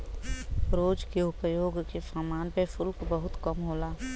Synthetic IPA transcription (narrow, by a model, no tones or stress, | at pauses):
ɾoːd͡ʒkeʊpjoːɡkefaːmaːnpefʰʊlkbəɦʊt̪kəmɦoːlaː